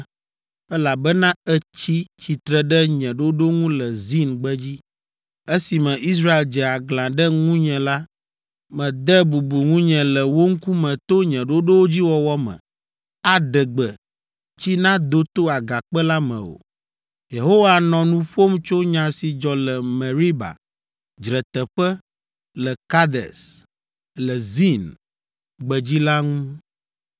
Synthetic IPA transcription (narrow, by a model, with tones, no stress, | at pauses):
ɛ˦la˨bɛ˦nã˦ɛ˦t͡ɕi˦t͡ɕi˨t̪ɾɛ˨ɖɛ˦ɲɛ̃˨ɖo˦ɖo˦ŋũ˦lɛ˨zi˦nɡ͡bɛ˦d͡ʑi˦ | e˦si˨mɛ̃˨ʔi˦s̬ɾa˦e˨ld͡ʒɛ˨a˨ɡlã˨ɖɛ˦ŋũ˦ɲɛ̃˨la˦ | mɛ̃˨d̪ɛ˦bu˨bu˨ŋũ˦ɲɛ̃˨lɛ˨wo˦ŋ̩˦ku˦mɛ̃˨t̪o˦ɲɛ̃˨ɖo˦ɖo˦wo˦d͡ʑi˦wɔ˦wɔ˦mɛ̰̃˨ | a˨ɖɛ˨ɡ͡bɛ˨ | t͡ɕi˦nã˦d̪o˦t̪o˦a˨ɡa˨k͡pɛ˦la˦mɛ̰̃˨o̰˨ | je˨ɦo˦wa˨nɔ̃˨nũ˦ɸo˦mt͡ʃo˦ɲã˨si˨d͡ʒɔ˨lɛ˨mɛ̃˨ɾi˦ba̰˨ | d͡ʒɾɛ˨t̪ɛ˨ɸɛ˦ | lɛ˨ka˦d̪ɛ̰˨s | lɛ˨zi˦˨n | ɡ͡bɛ˨d͡ʑi˦la˦ŋũ˦